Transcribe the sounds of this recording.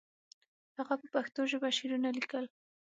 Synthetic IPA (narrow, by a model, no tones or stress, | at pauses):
haɣapəpaxt̪oʒəbaʃiɾunalikəl